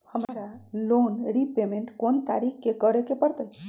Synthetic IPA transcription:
həmɾalonɾipemeɳʈkont̪a̰ɾikkekəɾekepəɾt̪əj

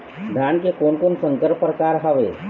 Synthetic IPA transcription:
d̪ʱankekoɳkonsə̃ŋkəɾpɾəkaɾɦaʋe

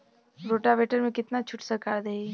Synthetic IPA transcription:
ɾoːʈaʋeːʈəɾmẽkɪt̪nat͡ʃʰʊʈsəɾkaːɾd̪ee

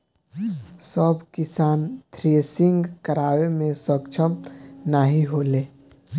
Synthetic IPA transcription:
səbkɪsaːnt̪ʰɾesɪ̃ŋɡkəɾaːwemẽsəkt͡ʃʰəmnaɦiɦoːleː

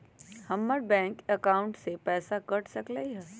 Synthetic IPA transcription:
hɐmːəɾbɛ̃ːŋkəkaːʊ̃ɳʈsepɛːsakɐʈsɐkləiɦɛː

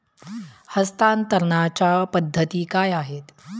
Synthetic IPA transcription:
həst̪ant̪əɾɳat͡ɕapəd̪ʱːət̪iːkaːjaɦet̪

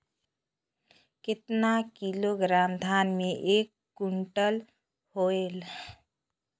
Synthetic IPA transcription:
kɪt̪nakiloɡɾamd̪ʱanmeʔekːuɳʈəl | hoel

